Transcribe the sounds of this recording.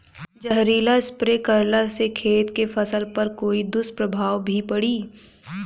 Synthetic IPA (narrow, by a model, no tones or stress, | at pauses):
d͡ʒəɦɾiːlaɪspɾekɐɾlasekʰeːt̪kefɐsəlpɐɾkoːid̪ʊspɾɐbʱaːwbʱipɐɽiː